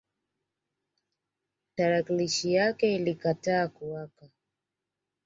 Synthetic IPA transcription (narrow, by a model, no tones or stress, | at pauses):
taɾakliʃijakɛilikataːkuwaka